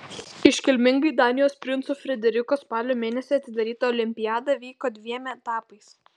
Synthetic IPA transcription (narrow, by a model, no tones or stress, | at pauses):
ɪʃʲkʲɪlʲmʲɪŋɡɐɪd̪ɑːnʲɪjoːspʲɾʲɪnt̪suːfʲɾʲɛd̪ʲɛɾʲɪkoːspɑːlʲoːmʲeːnʲɛsʲiɐt̪ʲɪd̪ɐɾʲiːt̪ɐɔːlʲɪmʲpʲɪjaːd̪ɐʋʲiːkoːd̪ʲʋʲiɛmʲɛt̪ɑːpɐɪs